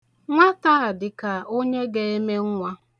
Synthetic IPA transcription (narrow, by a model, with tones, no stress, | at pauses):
ŋʷa˦ta˦a˨dɪ˨ka˨o˦ɲe˦ɡe˦e˦me˦ŋ̩˦ŋʷa˦